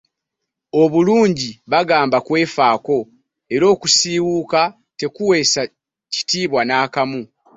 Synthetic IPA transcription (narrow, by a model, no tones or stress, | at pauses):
o̞βuluːɲɟiβaɡaːmbakwe̞ːfaːko̞ | e̞ɾo̞ːkusiːwuka | te̞kuwe̞ːsa | ci̥tiːβwanaːkamu